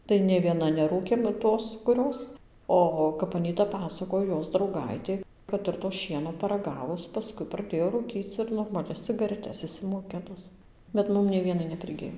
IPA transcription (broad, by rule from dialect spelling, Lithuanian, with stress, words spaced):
tɐɪ nʲeː ˈʋʲiɛnɐ nʲɛˈruːkʲeːm ˈtoːs kʊˈrʲoːs ˈoː kɐp ɐˈnʲiːtɐ ˈpɑːsɐkoːj ˈjoːs drɐʊˈɡɐɪtʲeː kɐt ˌɪr toː ˈʃʲiɛnoː pɐrɐˈɡɑːʋʊs pɐˈskʊɪ prɐˈdʲeːjoː ruːˈkʲiːt͡s ɪr noːrmɐˈlʲɛs t͡sʲɪɡɐrʲɛˈtʲɛs ɪʃʲsʲɪmoːˈkʲɪnʊs bʲɛt ˈmʊm nʲɛɪ ˈʋʲiɛnɐɪ nʲɛpʲrʲɪˈɡʲɪj